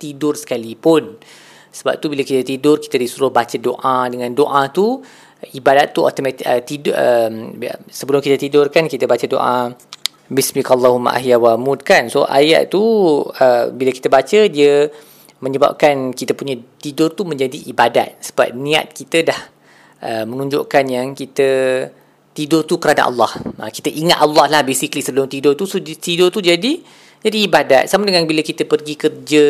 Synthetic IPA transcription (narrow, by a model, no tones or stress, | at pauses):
t̪idʊrsə̥kalipʊn | səba̰p̚t̪ubilakit̪ət̪idʊrki̥t̪ədisuɾʊhbat͡ʃədo̰ʔadəŋãndoʔat̪u | ibadat̪ːuo̰t̪omãt̪ət̪idəm̰səbəlʊmkit̪ət̪idʊrkankit̪əbat͡ʃədo̰ʔa̰ | bismikalːaɦuma̰ʔa̰ɦjawamud̚kanso̰ʔa̰ja̰ʔ̚t̪uəbiləki̥t̪əbat͡ʃədiə | məɲəba̰p̚kankit̪əpuɲat̪idʊrt̪umə̃ɲd͡ʒadiʔːbada̰t̪̚sə̥ba̰p̚nĩa̰t̪̚kit̪ədah | ʔəmənũɲd͡ʒo̰ʔkanjaŋkit̪ə | t̪idʊrt̪ukəɾana̰ʔɑ̰lːɑhʔa̰kit̪əʔiŋat̪ɑlːɑhlahbesiklisəbəlʊmt̪idʊrt̪usot̪idʊrt̪ud͡ʒadi | d͡ʒadiːbada̰t̪̚samadəŋanbiləkit̪əpərɡikərd͡ʒə